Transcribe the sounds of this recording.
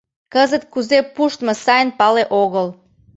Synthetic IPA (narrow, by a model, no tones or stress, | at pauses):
kəzət̪̚kuzepuʃt̪mə̆sɑjnpɑleʔoɣəl